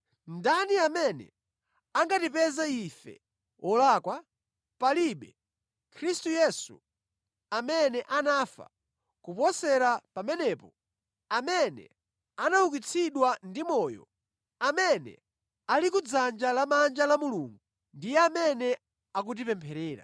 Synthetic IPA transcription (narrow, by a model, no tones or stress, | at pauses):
ndaniamɛnɛ̰ | aŋɡatipɛzaifɛ̰ | ɔlaːkwa | paliɓɛ | kʰɾistujɛsṵ | amɛnɛʔanafa̰ | kupɔsɛɾapamɛnɛpɔ | amɛnɛ̰ | anauk̬it͡sʰiɗwandimɔːjɔ̰ | amɛnɛ̰ | alikud͡zand͡ʒalamand͡ʒalamuluŋɡu | ndijɛamɛnɛ | ak̬ut̬ipɛmpʰɛɾɛːɾa̰